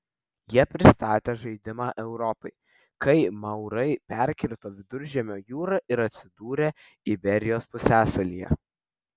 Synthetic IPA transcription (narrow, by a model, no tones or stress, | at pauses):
jiɛpʲɾʲɪst̪ɑːt̪ʲeːʒɐɪd̪ʲɪmɑːʔɛʊɾɔpɐɪ | kɐɪmɐʊɾɐɪpʲæɾʲkʲɪɾt̪oːʋʲɪd̪ʊɾʲʒʲɛmʲoːjuːɾɐʔɪɾɐt̪ʲsʲɪd̪uːɾʲeː | ɪbʲɛɾʲɪjoːspʊsʲæːsɐlʲḭːjɛ̰